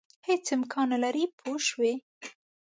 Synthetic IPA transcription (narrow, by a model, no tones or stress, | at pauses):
het͡sɪmkʰɑnalaɾipʰoʃwe